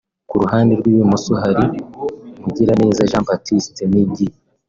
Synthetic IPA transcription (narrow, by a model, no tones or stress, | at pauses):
kuɾuɦaːndeɾɡwiβemusuɦaɾi | muɟiɾane̞ːzaʒaːmbatistemibɟi